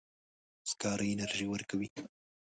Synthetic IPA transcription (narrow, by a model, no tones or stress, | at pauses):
skɑɾəɪnaɾʒiwəɾkawi